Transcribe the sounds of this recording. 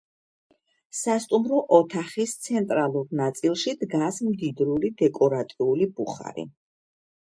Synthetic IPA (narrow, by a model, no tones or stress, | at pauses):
sast̪ʼumɾɔʔɔt̪ʰaχist̪sʰɛnt̪ʼɾalˠuɾnat̪sʼilˠʃid̪ɡasmd̪id̪ɾulid̪ɛkʼɔɾat̪ʼiulibuχa̰ɾḭ